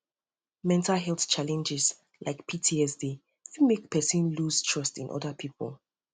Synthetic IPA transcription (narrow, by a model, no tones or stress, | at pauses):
mɛ̃ntʰalɦɛlˠθt͡ʃʰalɛ̃nd͡ʒɪz | lʔaɪkpʰitʰiɛsdi | fimek̚pʰɛsə̃nluz̥tʰɹ̥ʌstɪ̃nʔɔ̰dəpʰipʰə̰lˠ